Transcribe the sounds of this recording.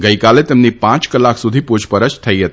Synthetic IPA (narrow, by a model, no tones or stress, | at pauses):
ɡəikalet̪emnipãt͡ʃkəlakʰsud̪ʱipud͡ʒpəɾəst̪ʰəjɦet̪